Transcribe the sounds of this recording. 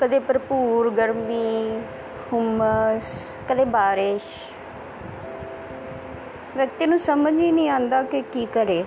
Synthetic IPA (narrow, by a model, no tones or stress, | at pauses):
kəd̪eːpəɾpuːɾɡəɾmiː | hʊməs | kəd̪eːbaːɾɪʃ | ʋjək̚t̪iːnũːsəməd͡ʒiːnĩːãːnd̪aːkɪkiːkəɾeː